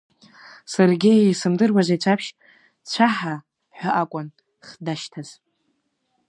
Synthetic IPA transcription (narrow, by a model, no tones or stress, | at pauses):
sarɡʲeisɨmdɨrwaʒʷajt͡ɕʷʰapʰʃ | t͡ɕʷʰaħa | ħʷᶣaʔakʷʼʊn | χdaʃtʰaz̥